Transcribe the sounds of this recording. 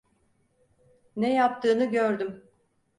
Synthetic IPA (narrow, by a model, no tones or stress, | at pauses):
nɛjap̚t̪ʰɯːnɯɟøɾd̪ym